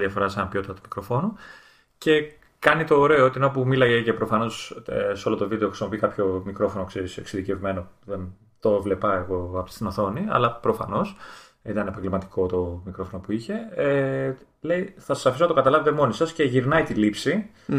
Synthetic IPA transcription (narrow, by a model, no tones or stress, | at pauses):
ðɐfo̞ɾɐsenɐpiot̪it̪ɐt̪umikɾo̞fo̞nu | ce̞ | kɐnit̪oːɾe̞oot̪inop̬umilɐjecepɾo̞fɐno̞sseo̞lot̪o̞vid̪eoxɾisimo̞pikɐpço̞mikɾo̞fo̞nokseɾiseksiðice̞vme̞noðen | t̪ovle̞pɐeɣo̞ɐpot̪i̥st̪inoθo̞niɐ̰lɐpɾo̞fɐ̰no̞s | it̪ɐnepɐŋɡlimɐt̪i̥ko̞t̪o̞mikɾofo̞nopuiçe̞e | le̞iθɐsɐ̥sɐfisonɐt̪okɐt̪ɐlɐvet̪e̞mo̞nisɐsce̞ʝiɾnɐit̪ilipsi